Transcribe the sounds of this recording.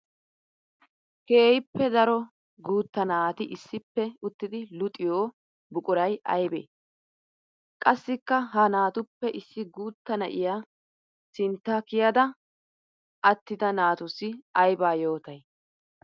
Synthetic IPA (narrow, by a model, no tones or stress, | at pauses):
ke̞ːhɪpːɛd̪ɐɾɔ | ɡuːt̪ːɐnaːt̪ɪʔɪsːɪpːɛʊt̪ːɪd̪ɪlʊt̪ʼɪjoː | bʊkʼʊɾɐjʔɐjbḛː | kʼɐsːɪkːɐɦɐnaːt̪ʊpːɛʔɪsːɪɡuːt̪ːɐnɐ̰ʔɪ̰jaː | sɪnt̪ːɐkɪjɐd̪ɐ | ʔɐt̪ːɪd̪ɐnaːt̪ʊsɪɐjbaːjo̞ːt̪ɐj